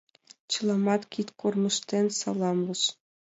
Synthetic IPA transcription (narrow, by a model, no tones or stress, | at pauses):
t͡ɕɤ̆lˠɑmɑt̪kʲit̪ʲkurmɤ̆ʂt̪ʲenʲsɑlˠɑmlɤ̆ʂ